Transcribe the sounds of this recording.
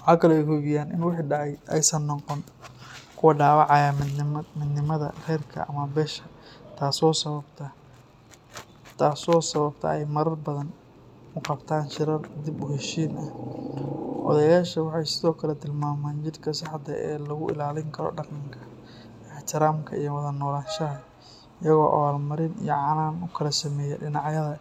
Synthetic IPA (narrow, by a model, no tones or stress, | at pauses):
wɑħɑːkʰɐlɔɛjkʰɔβɪjaːnʔɪ̰nwɪħiːɖɑʕɑjʔɛjsɐnːɔqɔn | kʰʊwɐɖaːβɑʕɑjaːmmɪd̪nɪmɐðɐ̰rɛːrkʰɐ̰ʔɐ̰mɐbɛːʃɐt̪ʰaːsɔːsɐβɐbt̪ʰɐ | t̪ʰaːsɔːsɐβɐbt̪ʰɐ̰ɛjmɐɾɐrbɐðɐn | ʊqɑbt̪ʰaːnʃɪɾɐrd̪ɪbʊɦɛʃiːnɐh | ʔɔ̰ðɐjaːʃɐwɑħɑjsɪðɔːkʰɐlɛt̪ʰɪlmaːmaːnt͡ʃɪɾkʰɐsɑħɑd̪ɐɛːlɐɣʊʔɪ̰laːlɪŋkʰɐɾɔ̰ɖɑqɑŋkʰɐ̥ | ɪħt̪ʰɪɾaːmkʰɐijɔwɑðɐnɔːlaːʃɐɦɐ | ɪjɐɣɔːʔɐ̰waːlmɐɾɪnḭjɔʕɑnaːnʊkʰɐlɐsɐmɛːjɛ̰ɖɪnɑʕjɐðɐ